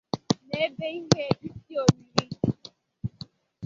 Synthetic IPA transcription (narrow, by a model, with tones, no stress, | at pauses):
ne˨˦be˦i˦ɦe˦i˦ti˦o˨ni˦ɾi˦